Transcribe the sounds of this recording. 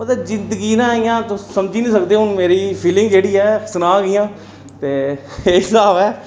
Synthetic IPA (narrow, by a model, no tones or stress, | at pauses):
mət̪ləbzɪnd̪əɡiːnãːɪjãːt̪osəmd͡ʒiːnĩːsəkd̪eːɦʊnmeːɾiːpʰiːlɪ̃ŋɡd͡ʒeːɽiːɛːsənãːɡɪjãː | t̪eːeɪsaːbɛː